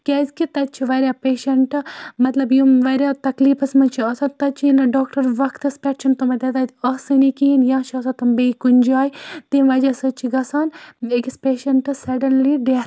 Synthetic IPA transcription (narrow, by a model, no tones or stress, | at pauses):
kʲɛzʲkit̪ɐt̪̚t͡ʃʰiʋɐɾʲjaːpeːʃɐɳʈmɐt̪lɐbjumʋɐɾjaːt̪ɐkliːfɐsmɐnt͡ʃʰiɐːsɐt̪ɐt͡ʃʰiinɐɖːkʈɐɾʋɐkʰt̪ɨspʲɛʈt͡ʃʰɐnt̪omɐd̪ɐd̪aːt̪ɐsɨnikiɦinjãːt͡ʃʰɐːsãt̪ɐmbeikunʲd͡ʒaːjt̪imʋɐd͡ʒasɨt͡ʃʰiɡɐsaːnekispeːʃɐɳʈsɐɖɐnliɖet̪